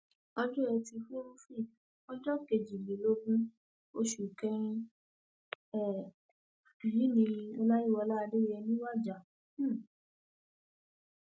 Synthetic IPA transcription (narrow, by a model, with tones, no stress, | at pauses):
ɔ˧d͡ʒɔ˦ɛ˧ti˧fu˦ɾũ˦fi˦˨ | ɔ˦d͡ʒɔ˦ke˨d͡ʒi˨le˨˦lo˦ɡũ˦ | o˧ʃu˨kɛ˧ɾĩ˧ | ɛ˨ | ɾi˨˦nĩ˧ĩ˧ɔ˧la˦i˦˨wɔ˧la˦˧de˦˨jɛ˧nĩ˦wa˦˨d͡ʒa˨˦˨